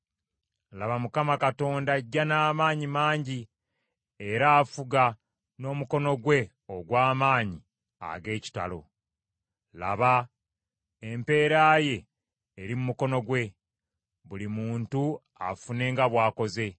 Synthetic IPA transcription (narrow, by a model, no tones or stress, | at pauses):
laβamukamakato̞ːndaɟːanaːmaːɲimaːɲɟi | e̞ɾaːfuɡa | no̞ːmuko̞no̞ɡwe̞ | oɡwaːmaːɲi | a̰ɡe̞ːci̥ta̰lo̞̰ | la̰βa | empe̞ːɾaːje̞ː | ɾimumuko̞no̞ɡwe̞ | βulimuːntu | a̰fune̞ːŋɡaβwaːko̞ze̞